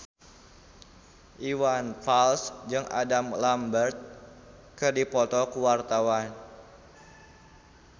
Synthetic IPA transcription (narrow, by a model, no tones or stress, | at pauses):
ʔiwanfalsd͡ʒɨŋʔa̰damlambərt̪̚ | kɨrdipɔt̪ɔkuwart̪awan